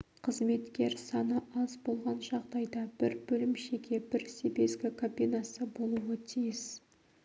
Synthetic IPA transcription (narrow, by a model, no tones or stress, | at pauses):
qʰəzme̞t̪kʲe̞ɾsɑnəʔɑzbo̞lˠʁɑnʒɑʁd̪ɑjd̪ɑbɪɾbɵlɪmʃe̞ɡʲe̞bɪɾse̞be̞zɡʲɪkʰopʲijnasəbo̞lˠuət̪ʰijɪs